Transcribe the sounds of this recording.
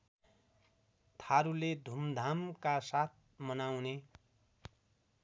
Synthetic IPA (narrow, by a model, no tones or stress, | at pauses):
t̪ʰaɾuled̪ʱumd̪ʱamkasat̪̚ʰ | mʌnawne